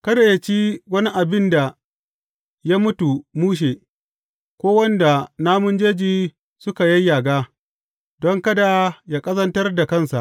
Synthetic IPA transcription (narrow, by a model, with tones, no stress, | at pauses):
kɐ˦da˨ja˦t͡ʃi˦wɐ˦ni˦ʔa˨bɪ˦nda˨ | ja˦mʊ˦tu˨muː˦ʃ̬eː˨ | kʷoː˦wɐ˦nda˨naː˦mʊ˦nd͡ʒeː˦d͡ʒiː˦ | sʊ˦ka˨jɐ˦jːaː˨ɡaː˦ | dɔ˦ŋkɐ˦da˨jaː˦kʼɐ˦zɐ˦ntɐ˦rda˨kɐ˦˨nsa˨ʔ